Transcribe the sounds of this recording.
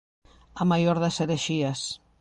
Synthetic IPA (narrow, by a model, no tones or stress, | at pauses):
amajoɾðɐseɾeʃiɐs